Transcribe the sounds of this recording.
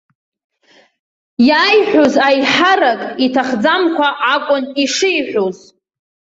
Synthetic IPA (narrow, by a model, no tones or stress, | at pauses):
jaːjħʷᶣozajħarakʼitʰaχd͡zamkʷʰaʔakʷʼʊniʂɪjħʷᶣoz